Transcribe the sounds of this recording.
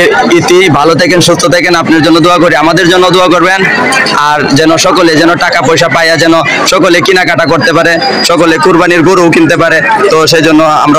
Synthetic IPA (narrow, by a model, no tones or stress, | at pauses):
it̪ibʱalot̪ʰɛkenʃust̪ʰot̪ʰɛkenapnaɾd͡ʑonːod̪uakoɾiamad̪eɾd͡ʑonːod̪uakoɾben | aɾd͡ʑɛnoʃɔkoled͡ʑɛnoʈakapojʃapajad͡ʑɛno | ʃɔkolekinakaʈakoɾt̪ep̬aɾe | ʃɔkolekuɾbaniɾɡoɾoukint̪ep̬aɾet̪oʃed͡ʑonːoa̰mɾa